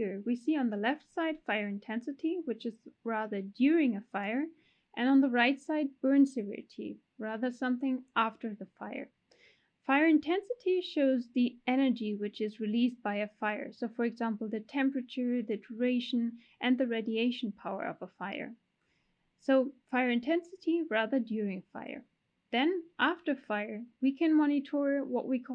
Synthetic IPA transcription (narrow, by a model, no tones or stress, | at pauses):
ɹwisiə̃nðəlɛftsaɪd̥faɪə˞ɨ̃ntʰɛ̃nsɨɾiwɨt͡ʃɨzɹæðə˞djʊɹɪ̃ŋɨfaɪə˞ | ʔɨ̃nə̃nðəɹaɪtsaɪd̚bɜ̃˞nsɨvɪ̰ɹɨɾʰḭ | ɹæðə˞sʌ̃mθɪ̃ŋʔæftə˞ðɨfaɪə̰˞ | faɪə˞ɨ̃ntʰɛ̃nsɨɾiʃoʊzðiɛnə˞d͡ʒiwɨt͡ʃɨzɹɨlis̚b̥aɪɨfaɪə̰˞soʊfə˞ɨɡzæ̃mpl̩ˠðɨtʰɛ̃mpɹɨt͡ʃə˞ðɨdəɹeɪʃɨ̃n | ʔɨ̃nðɨɹedieɪʃn̩pʰaʊə̰˞ʌ̰vəfaɪə̰˞ | soʊfaɪə˞ɨ̃ntʰɛ̃nsɨɾiɹæðə˞djʊɹɪ̃ŋfa̰ɪə̰˞ | ðɨ̃nʔæftə˞faɪə˞wikʰɨ̃nmɑñɨtʰɔɹwʌ̰ʔwikʰ